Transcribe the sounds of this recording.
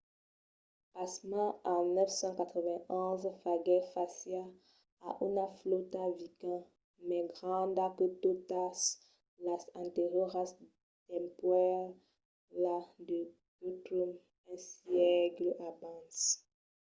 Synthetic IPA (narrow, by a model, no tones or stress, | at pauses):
pasmãanœfsɑ̃kat̪χəvɛ̃ɔ̃zfaɡɛfasja | a̰ʔunaflot̪avikã | mɛɡʁɑ̃d̪akot̪ot̪as | lasɛ̃nt̪eʁjɔʁas | d̪ɛ̃mpwɛl | lad̪ə | ɡut̪ɾum | ɛ̃sjɛkləʔabãs